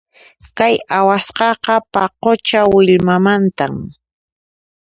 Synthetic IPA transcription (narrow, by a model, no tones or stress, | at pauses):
kajawasqɑqɑpaqot͡ʃawɪʎmamant̪am